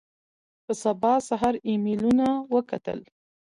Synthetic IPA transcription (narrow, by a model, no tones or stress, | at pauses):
pəsabɑsaɦaɾimilunawəka̰t̪ə̰l